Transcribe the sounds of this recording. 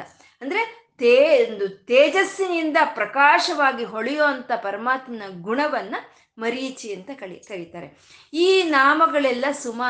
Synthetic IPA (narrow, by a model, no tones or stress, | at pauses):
ɐnd̪ɐɾe | t̪end̪ut̪eːd͡ʒɐsːinind̪ɐpɾɐkaːʃɐʋaːɡiɦoɭɛjoːɐnt̪ɐpɐɾɐmaːt̪mɐnɐɡuɳɐʋɐnːɐ | mɐɾit͡ʃiɐnt̪ɐkɐɭikɐɽit̪aːɾe̞̰ | iːnaːmɐɡɐɭɛlːɐsumaː